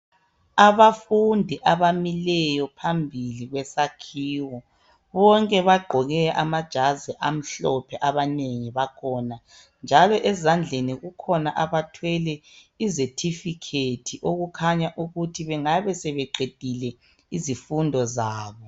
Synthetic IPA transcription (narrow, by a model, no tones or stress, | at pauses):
aβafundʱiʔaβamilɛjɔpʰambʱiliɣwɛsakʰiːwɔ | βɔŋkʼɛβaɡ͡ǃʱɔɣɛʔamad̥ʒ̥ʱazɛʔam̩ɬɔpʰɛʔaβaneŋiβakʰɔːna | nd͡ʒʱalɔʔɛzand͡ɮʱeniɣukʰɔnaʔaβatʰwɛlɛ | izetʰifikʰetʰiʔoɣukʰaɲaʔuɣutʰiβɛŋaβɛsɛβɛǃed̥ʱilɛ | izifundʱɔzaːβɔ